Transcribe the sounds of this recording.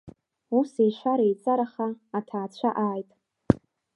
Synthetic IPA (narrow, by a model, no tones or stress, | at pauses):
usejʃʷaɾajt͡sʼaɾaχaːtʰaːt͡ɕʷʰaʔaːjtʼ